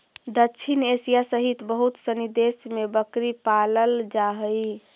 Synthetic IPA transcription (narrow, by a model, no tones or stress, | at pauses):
d̪ətːt͡ʃʰinesijasəɦit̪bəɦut̪sənid̪esmebəkɾipaləld͡ʒaɦəj